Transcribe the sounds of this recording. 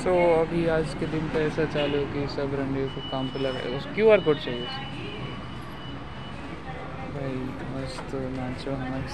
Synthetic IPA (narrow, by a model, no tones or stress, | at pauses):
toːɐbʱiaːd͡ʒked̪ɪnpeɛːsat͡ʃaːlokisɐbɾɐ̃ɳɖiõkokaːmpɪləɾɦɛ̰ɔskjuːaɾɡʊɖ̚t͡ʃaːɦieʊsi | bʱai | ɔst̪onãːt͡ʃoɦɐma